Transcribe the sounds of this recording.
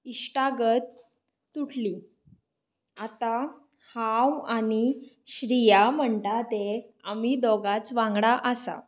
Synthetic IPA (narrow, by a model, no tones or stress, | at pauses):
iɕʈaɡət̪ː | uʈʰli | at̪a | hawani | ɕɾijam̤əɳt̪at̪eam̤id̪ɔɡat͡sʋãŋɡɽaʔəsa̰